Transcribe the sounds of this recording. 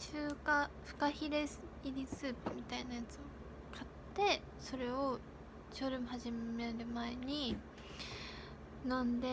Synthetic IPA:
ɕɨːkaɸɯ̟̥kaçiɾe̞sɨiɾʲisɨːpɯ̟mʲit̪ainajat͡sɨo | kʰat̪ːe̞ | so̞ɾe̞o | ɕoːɾɯmɯ̟haʑimeɾɯ̟mae̞ɲ̟i | nãnd̪e̞

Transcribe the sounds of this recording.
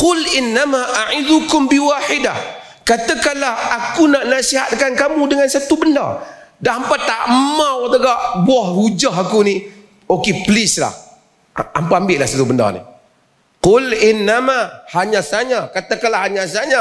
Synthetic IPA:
qʊlɪnːamaʔaʕɪd̪ukʊmbiwaħɪdah | kat̪əkanlahakunaʔnasiɦa̰t̪̚kankamũdəŋansat̪ubənda̰daɦampat̪aʔmawt̪əɡaʔbuahhud͡ʒaɦakuni | okepəlɪsla̰h | a̰mpaambɪʔlahsat̪ubənda̰nḭ | qʊlɪnːamahaɲãsaɲãkat̪akanlaɦaɲãsaɲã

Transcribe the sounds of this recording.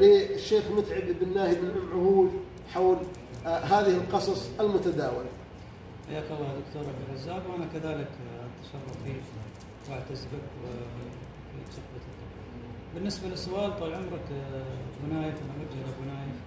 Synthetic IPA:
lɪɪʃːeːxmʊt̪ʕɪb̪bɪnːaːhibɪlʕʊmːʕʊhuːd̪ | ħawl | ɦaːðɪhɪlqɑsˤɑsˤɪlmʊt̪ad̪aːwɪla | ħa̰jːaːkɑlˤːɑːd̪ʊkt̪oːɾˤʕab̚d̪ɪlʕazːaːbwʔanakaðaːlɪkʔat̪ḁʃɑrˤːɑfbiːk | wʔaʕt̪azbakwɪ | fiʃabat̪ː | bɪnːɪsbalɪsːʊʔaːlt̪ˤɑbʕʊmɾˤɑkbʊnaːjafmaʔɪdd͡ʒalabʊnaːja

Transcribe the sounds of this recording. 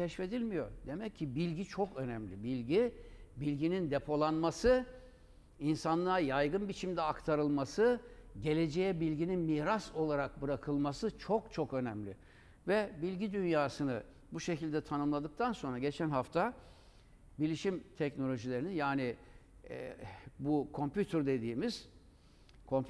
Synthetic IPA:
cʰɛʃfe̞d̪ilʲmijo̞̰ɾd̪e̞mɛcʰːibilʲɟit͡ʃʰo̞kø̞nɛmlʲibilʲɟibilʲɟinind̪e̞pʰo̞lˠanmasɯ | insanlˠaːjajɡɯnbit͡ʃʰimd̪ɛakt̪ʰaɾɯlˠmasɯɟe̞lʲe̞d͡ʒe̞jɛbilʲɟininmiːɾaso̞lˠaɾak̚bɯɾakʰɯlˠmasɯt͡ʃʰo̞kt͡ʃʰo̞kø̞næmlʲɪ | vɛbilʲɟid̪ynjaːsɯnɯ | buʃe̞cilʲd̪ɛt̪ʰanɯmlˠad̪ɯk̚t̪ʰanso̞nɾaɟe̞t͡ʃʰænɦaft̪ʰa | bilʲiʃimt̪ʰɛcno̞lʲo̞ʒilʲe̞ɾininjaːnɪ̰ | bukʰo̞mpʲyt̪ʰøɾd̪e̞d̪iːmiz̥ | kʰo̞m

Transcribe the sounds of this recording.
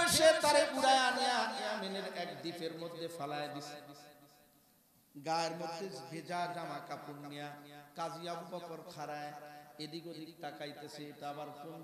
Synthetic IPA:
ojʃet̪aɾeʔuɽaeanejaanejameneɾɛkd̪ipʰeɾmod̪ʱːefalaed̪isʰe | ɡaeɾmot̪ʰːesbʱed͡ʑad͡ʑamakapunːijakad͡ʑijabbɔkoɾkʰaɾaeed̪iɡod̪ʱik̚ʈakajt̪esʰet̪abaɾson

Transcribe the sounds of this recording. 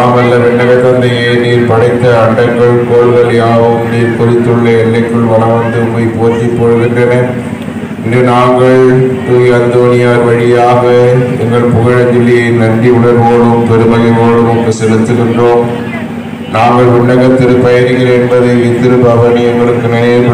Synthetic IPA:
naːmɐlːɐʋɛɳːɐɣɐt̪ːɐnd̪ɐjɐɪniːɾpɐɽɐɪt̪ːɐɐɳɖɐŋɡɐɭkoːɭɣɐlɪjaːʋɯmniːɾkɔðɪt̪ːɯɭːɐɛlːɐɪkːɯɭʋɐlɐʋɐnd̪ɯmɐjpoːɾt̪ːipːoɻɯɣɪndrɐnɐ | ɪndrɯnaːŋɡɐɭt̪uɐnd̪oːnɪjaːɾʋɐɻɪjaːɣɐɛŋɡɐɭpʊɣɐɻɐd̪ɪlːɐɪnɐɳɖiʊɭɐɾʋoːɽɯmpɛɾɯmɐɣɐʋoːɽɯmɔŋɡɐsɛlɯt̪ːɯɣɪndroːm | naːŋɡɐɭʋʊɳːɐɣɐt̪ːɪɾɯpɐjɐɾɯɣɪɾɐɛnbɐðɐʋɪt̪ːɪɾɯbɐʋɐnɪɐŋɡɐɭɯkːɯnɐneː

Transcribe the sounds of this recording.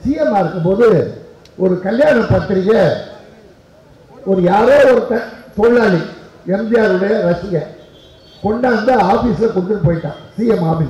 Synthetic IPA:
siːjɛmaːɪɾɯkːɐpoːðɯ | ɔɾɯkɐljaːnɐpːɐt̪ːɪɾɪɣɐ | ɔɾɯjaːɾoːɔɾɯt̪ːɐt̪oːɭːaːliɛmbɪjaːɾɯɽɐjɐɾɐsɪjɐ | kɔɳɖaːɯnd̪ɐaːfiːsɪlɐkɔɽɯt̪ːɯʈːɯpoːjɪʈːã̰ːsiːjɛmaːbɪ

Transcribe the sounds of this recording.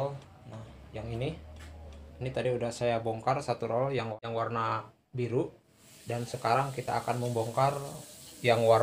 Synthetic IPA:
l | nahjaŋini | init̪adiudahsajabɔŋkarsat̪uɾɔljaŋaŋwarna | biɾu | dansəkaɾaŋkit̪a̰ːkanməmbɔŋkarjaŋwar

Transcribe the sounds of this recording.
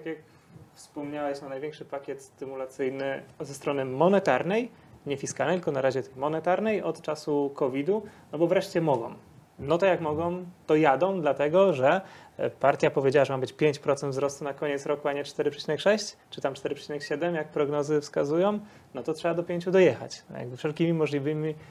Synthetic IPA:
t̪akʲjak | fspɔmɲawɛɕnanajvʲɛ̃ŋkʂɘpakʲɛt̪st̪ɘmulat̪sɘjnɘzɛst̪ɾɔnɘmɔnɛt̪aɾnɛj | ɲɛfʲiskalɛjt̪lkɔnaɾaʑɛt̪ɛjmɔnɛt̪aɾnɛjɔt̪t͡ʂasukʰɔvʲid̪unɔbɔvɾɛʂt͡ɕɛmɔɡɔ̰̃m | nɔt̪ɔjakmɔɡɔ̃w̃t̪ɔjad̪ɔ̃w̃d̪lat̪ɛɡɔʐɛpaɾt̪ʲjapɔvʲjed͡ʑawaʐɛmabɘt͡ɕpʲjeɲt͡ɕpɾɔt̪sɛnd̪vzɾɔst̪unakɔɲɛt̪sɾɔkuaɲɛt͡ʂt̪ɛɾɘpʂɛ̥t͡ɕinɛkʂɛɕt͡ɕt͡ʂɘ̥t̪amt͡ʂt̪ɛɾɘpʂɛ̥t͡ɕinɛkɕɛd̪ɛmjak̚pɾɔɡnɔzɘfskazujɔ̃w̃ | nɔt̪ɔtʂɛbad̪ɔpʲjeɲt͡ɕud̪ɔjɛxa̰t͡ɕja̰ɡ̚bɘfʂɛlkʲimʲimɔʐlʲivɘmʲi

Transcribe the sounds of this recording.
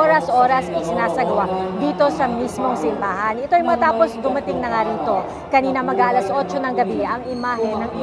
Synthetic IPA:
oɾɐsʔo̞ːɾɐsʔɐjsɪnaːsɐɡɐwaʔd̪iːt̪o̞sɐmismo̞ŋsɪmbaːɦɐnʔɛt̪oɐjmɐŋɐt̪aːpo̞sd̪ʊmɐt̪ɪŋnɐŋaɾiːt̪o̞ | kɐniːnɐmɐɡaʔɐlɐsʔo̞t͡ʃo̞nɐŋɡɐbiʔɐŋɪmaɦɛnːɐŋ

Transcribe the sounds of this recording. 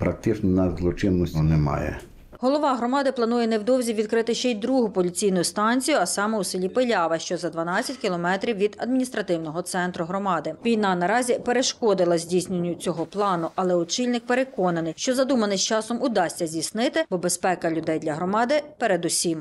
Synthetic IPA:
pɾak̚t̪ɪt͡ʃnnɐzlˠɔt͡ʃɪnnɔsʲɔnɛmɑ̰jɛ̰ | ɦɔlˠɔʋɑɦɾɔmɑd̪ɪplˠɐnujɛnɛwd̪ɔwzʲiʋʲid̪kɾɪt̪ɪʃt͡ʃɛjd̪ɾuɦʊpɔlʲit͡sʲijnʊjʊst̪ɑnʲt͡sʲijʊɐsɑmɛusɪlʲipelʲɑʋɐʃt͡ʃɔzɐd̪ʋɐnɑt͡sʲɐtʲkʲilˠɔmɛt̪ɾʲiwʋʲid̪ɐd̪minʲist̪ɾɐt̪ɪwnɔɦɔt̪sɛnt̪ɾʊɦɾɔmɑd̪ɪʋʲijnɑnɐɾɑzʲipeɾeʃkɔd̪ɪlˠɐzʲdʲisʲnʲenʲːʊt͡sʲɔɦɔplˠɑnʊʔɐlˠɛʊt͡ʃilʲnɪk̚peɾekɔnɐnɪjʃt͡ʃɔzɐd̪umɐnɪsʲt͡ʃɑsɔmʊd̪ɑsʲtʲːɐzʲisnɪt̪ɪbɔbe̞spɛkɐlʲʊd̪ɛjd̪lʲɐɦɾɔmɑd̪ɪpeɾed̪ʊsʲim

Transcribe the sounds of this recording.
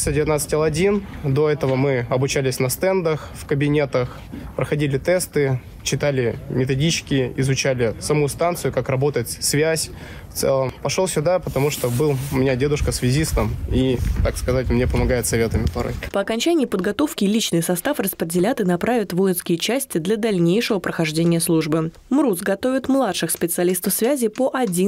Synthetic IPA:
sədʲɪvʲɪt̪nat̪sɨ̥tʲlˠɐdʲind̪o̞ɛt̪əvəmɨɐbʊt͡ɕælʲɪsʲnɐst̪ɛnd̪əxfkəbʲɪnʲe̞t̪əx | pɾəxɐdʲilʲɪt̪ɛst̪ɨ | t͡ɕɪt̪alʲɪmʲɪt̪ɐdʲit͡ɕɪ̥kʲɪɪzʊt͡ɕælʲɪsɐmust̪ant̪sɨjʊkakrɐbot̪əjɪt̪svʲæsʲ | ft̪sɛ̰lˠəmpɐʂolˠsʲʊd̪apət̪ɐmuʂt̪obɨlˠʊmʲɪnʲadʲe̞d̪ʊʂkəsvʲɪzʲisnamit̪akskɐzatʲmnʲepəmɐɡajɪt̪sɐvʲet̪əmʲɪpɐɾo̰jpəɐkɐnʲt͡ɕænʲɪɪpəd̪ɡɐt̪o̞fkʲɪlʲit͡ɕnɨjsɐst̪afrəspɾʲɪdʲɪlʲat̪ɨnɐpɾʔavʲɪt̪vo̞jɪnskʲɪjɪt͡ɕæsʲtʲɪd̪lʲɐd̪ɐlʲnʲejʂɨvəpɾəxɐʐdʲenʲɪjəslˠuʐbɨ | mɾusɡɐt̪o̞vʲɪt̪mlˠat̪ʂɨxspʲɪt̪sɨɐlʲist̪əfsvʲæzʲɪpəʔɐdʲi

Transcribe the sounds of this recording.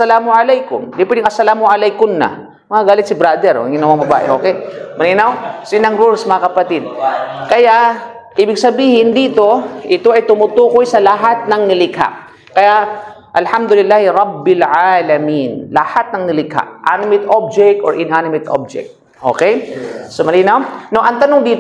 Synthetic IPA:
ɐsːɐlaːmʊʕalɛjkʊmd̪ɪpwɛd̪ɪŋʔɐsːɐlaːmʊʔalɛjkʊnnːɐ̰ | mɐŋaɡaːlɪt̪̚sɪbɾad̪ɛɾ̰ɡɪnɐwaŋbɐba̰ːʔɛ̰ʔo̞ːkɛmɐliːnawsɪnɐŋɾulsmɐŋɐkɐpɐt̪ɪd̪̚kɐjaʔ | ʔiːbɪɡsɐbiːhɪnd̪iːt̪o̞ʔɪt̪oɐjt̪ʊmʊt̪uːkojsɐlɐɦat̪̚nɐŋnɪlɪkha̰ʔ | kɐjaʔ | ʔɐlhamd̪ʊlɪlːaːhɪɾɑbːɪlʕalɐminlɐhat̪̚nɐŋnɪlɪkha̰ʔʔanɪmɪt̪ʔob̚d͡ʒɛk̚t̪oɹʔɪnanɪmɪt̪ʔo̰b̚d͡ʒɛ̰k̚t̪̚ | ʔo̰ːkɛjsomɐliːnɐwnoʔɐŋt̪ɐnoŋd̪iːt̪

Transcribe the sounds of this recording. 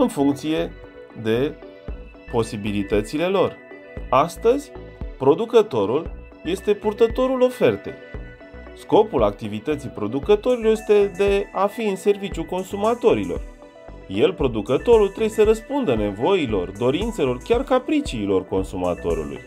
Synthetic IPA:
ɨnfuŋk̚t̪sije̞ | d̪e̞ | po̞sibilit̪ət̪sile̞lo̞r | ast̪əzʲpɾo̞d̪ukət̪o̞ɾul | je̞st̪e̞purt̪ət̪o̞ɾulo̞fe̞rt̪e̞̰j | sko̞pulak̚t̪ivit̪ət̪sijpɾo̞d̪ukət̪o̞ɾilojest̪e̞d̪e̞afiɨnse̞rvit͡ʃjuko̞nsumat̪o̞ɾilo̞̰r | je̞lpɾo̞d̪ukət̪o̞ɾult̪ɾejesəɾəspund̪əne̞vo̞ilo̞rd̪o̞ɾint̪se̞lo̞rkʲarkapɾit͡ʃiːlo̞rko̞nsuma̰t̪o̞̰ɾṵlṵj

